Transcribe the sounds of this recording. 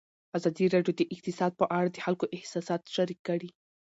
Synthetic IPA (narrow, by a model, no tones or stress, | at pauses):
azɑd̪iɾɑɖjod̪əʔɪq̚t̪ɪsɑd̪̚pəʔaɽad̪əxalkoʔɪhsɑsɑt̪ʃaɾikːəɽi